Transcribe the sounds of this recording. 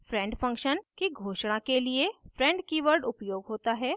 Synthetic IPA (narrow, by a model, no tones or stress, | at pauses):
fɾɛ̃ɳɖfə̃ŋkʃənkiɡʱoːʃɽ̃ãkeliefɾɛ̃ɳɖkiːʋəɾɖʊpjoːɡɦoːt̪aɦɛː